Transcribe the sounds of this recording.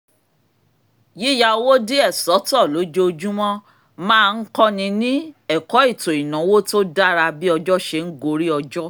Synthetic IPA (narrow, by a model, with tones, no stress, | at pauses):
ji˦ja˧o˧wo˦di˦ɛ˦˨sɔ˨˦tɔ˦˨lo˨˦d͡ʒo˦o˧d͡ʒũ˦mɔ̃˦ | mãː˦˧n̩˦kɔ˦nĩ˧nĩ˦ɛ˦˨kɔ˨˦i˦˨to˨i˨nã˨˦wo˦to˦da˦ɾa˧bi˦ɔ˧d͡ʒɔ˦ʃe˧n̩˦ɡo˧ɾi˦ɔ˧d͡ʒɔ˦